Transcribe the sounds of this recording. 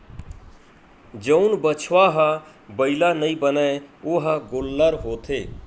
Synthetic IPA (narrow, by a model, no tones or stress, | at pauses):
d͡ʒəʊnbət͡ʃʰʋaɦə | bəɪlanəĩbənɛoɦəɡolːəɾɦoːt̪ʰe